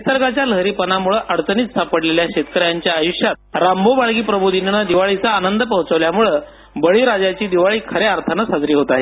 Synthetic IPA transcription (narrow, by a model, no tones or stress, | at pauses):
isəɾɡat͡ɕjaləɦɾiːpənamuɭəʔəɽt͡səniːt̪sapəɽleljaɕet̪̚kəɾjaɲt͡ɕjaːjuɕjat̪̚ɾambobaɭɡiːpɾəbʱud̪ʱinnəd̪iʋaɭit͡saːnənd̪əpəɦũt͡səʋljamuɭə | bəɭiːɾad͡ʑat͡ɕiːd̪iʋaɭiːkʰəɾeaɾt̪ʰənəsad͡zɾiːɦot̪aɦe